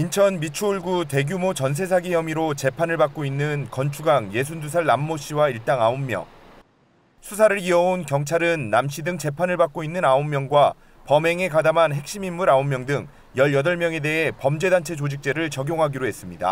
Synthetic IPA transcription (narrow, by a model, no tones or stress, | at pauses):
int͡ɕʰʌnmit͡ɕʰoɭɡute̞ɡjumot͡ɕʌns̬ʰe̞s̬ʰaɡijʌmiɾot͡ɕe̞pʰanɯɭbak͈̚oinːɯnkʌnt͡ɕʰuɡaŋje̞s̬ʰundus̬ʰaɭːamːoɕ͈ʰiwaiɭt͈aŋaomːjʌ̰ŋ | sʰus̬ʰaɾɯɾiʌonkjʌŋt͡ɕʰaɾɯnːamɕʰidɯŋt͡ɕe̞pʰanɯɭbak͈̚oinːɯnaomːjʌŋɡwa | pʌme̞ŋe̞kadamanɦe̞k̚ɕ͈imimːuɾaomːjʌŋdɯŋ | jʌʎjʌdʌɭmjʌŋe̞de̞ɦe̞pʌmd͡ʑe̞dant͡ɕʰe̞t͡ɕod͡ʑik̚t͡ɕ͈e̞ɾɯɭt͡ɕʌɡjoŋɦaɡiɾoɦe̞s͈ɯmɲida̰